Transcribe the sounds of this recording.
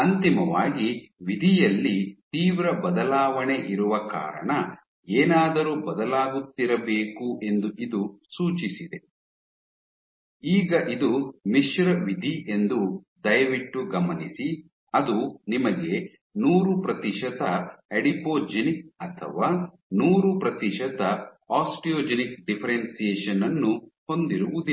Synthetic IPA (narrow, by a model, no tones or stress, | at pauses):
ɐnt̪imɐʋa̰ːɡiʋid̪ʱijɐlːit̪iːʋɾɐbɐd̪ɐlaːʋɐɳeʔiɾuʋɐka̰ːɾɐ̰ɳɐ | eːnaːd̪ɐɾuːbɐd̪ɐlaːɡut̪ːiɾɐbeːkuʔe̞nd̪uʔid̪usuːt͡ʃisid̪e̞ | iːɡɐʔid̪umiʂɾɐʋid̪ʱiʔe̞nd̪u | d̪ɐjɐʋiʈːuɡɐmɐnisi | ɐd̪unimɐɡe̞ | nuːɾupɾɐt̪iʃɐt̪ɐeɖipoːd͡ʒenikɐt̪ʰɐ̰ʋaː | nuːɾupɾɐt̪iʃɐd̪ɐ | aːsʈijoːd͡ʒenik̚ɖipʰɐɾensijeːʂɐnɐnːuho̞nd̪iɾuʋud̪i